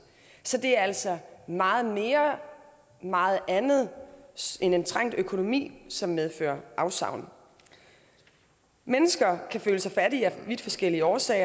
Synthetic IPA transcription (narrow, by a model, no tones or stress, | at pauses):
sɒ̽d̥e̝æɐæl̰sɒ̽mɑ̈ːð̞̩ˠme̝ːɐ | mɑ̈ːð̩ˠænð̞̩ˠ | ene̝nt͡sʰʁaŋ̰d̥økʰo̝no̝mḭːsɒ̽mːeðˠfø̰ːɐʔɑ̈ʊsɑ̰̈ʊ̰n | menəsɡ̥ɐkʰæføːləsɑ̈ɪfæɾiæʋid̥fɒ̽sɡ̥el̰iəɒːsɛ̰ːɪɐ